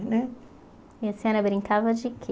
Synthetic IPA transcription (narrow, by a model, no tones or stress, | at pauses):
nɛ | iasĩɛɾɐbɾĩŋkavɐd͡ʒɪkʰe